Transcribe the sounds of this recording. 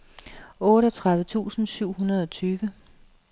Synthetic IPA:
ɔ̽ːɾəɒt͡sʰʁäðˠʋət͡sʰṵːsn̩syʊ̰hunɐð̞ˠɒ̽t͡sʰyːʋə

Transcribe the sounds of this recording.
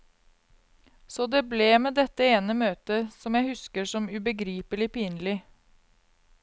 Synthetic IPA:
sɔːd̪eːbleːmeːd̪ɛt̪ːəeːnəmøːt̪əsɔmjæɪhʉskəʂɔmʉbəɡɾiːpəlɪpiːnəlɪ

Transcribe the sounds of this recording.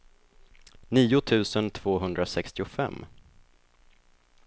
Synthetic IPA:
niːʊt̪ʰʉ̟ːsənt̪ʰv̥oːɦɵnd̪ɾasɛkst̪ɪʊfɛ̰mː

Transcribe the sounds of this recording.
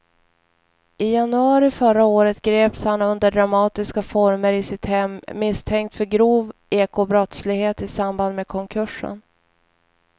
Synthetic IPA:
ɪjanɵɑːɾɪfœɾaoːɾət̪ɡɾeːpshanɵnd̪əɖɾamɑːt̪ɪskafɔɾməɾɪsɪt̪hɛmːɪst̪ʰɛŋkt̪fœɾɡɾuːveːkʰobɾɔt̪slɪɡheːt̪ɪsamband̪meːkʰɔŋkʰɵʂə̰n

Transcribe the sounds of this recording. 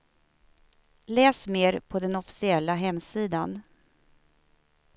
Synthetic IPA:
lɛːsmeːɾpʰɔd̪ɛnɔfɪ̥sɪɛlːaɦɛmːsiːd̪an

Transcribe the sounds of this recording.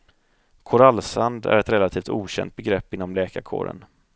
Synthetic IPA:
kʰʊɾalːsand̪æ̰ɾɛt̪ɾɛlat̪ʰiːft̪uːɕɛ̰nt̪̚bɛɡɾɛpːɪnːɔmlɛːkaɾkʰo̰ːɾə̰n

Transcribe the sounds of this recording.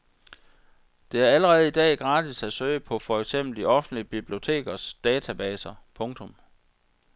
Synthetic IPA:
d̥e̝æɐæləʁɛːð̞̩ˠid̥ɛ̰ːɡ̥ʁɑ̈ːd̥isæsøːɪəpʰɒ̽fɒ̽eɡ̥sem̰b̥l̩d̥iʔɒ̽fn̩d̥liəb̥ib̥lio̝t͡sʰe̝̰ːɡ̥ɐsd̥ɛːt͡sʰæb̥ɛːsɐpʰɔ̽ŋt͡sʰɔ̽m

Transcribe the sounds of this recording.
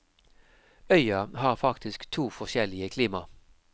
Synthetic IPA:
œʏɑhɑːʁfɑkt̪ʰɪskt̪ʰuːfɔʁʃɛlɪəkʰliːmɑ

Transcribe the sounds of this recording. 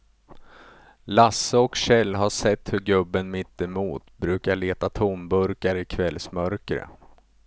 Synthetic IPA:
lasːəɔkɕɛlːɦaʂɛt̪ːhɵɾɡɵbːənmɪt̪ːɪmuːt̪bɾʉ̟ːkaɭeːt̪at̪ʰumbɵɾkaɾɪkʰvɛlsmœɾkɾə̰

